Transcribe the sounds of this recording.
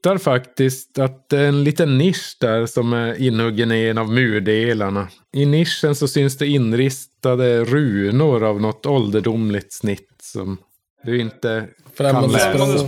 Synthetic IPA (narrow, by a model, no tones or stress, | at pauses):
t̪aɾfakt̪ɪskt̪at̪̚d̪ɛæɾɛnliːt̪ənːɪʂd̪æɾsɔmæɾɪnːhɵɡːənɪenavmʉːɖeːlaɳa | ɪnɪʂːənsɔsʏnsd̪ɛɪnːɾɪst̪ad̪əɾʉːnʊɾavnɔt̪ːɔld̪əɖʊmlɪt̪snɪt̪ːsɔ̰m | d̪ʉɪnt̪ːəanlː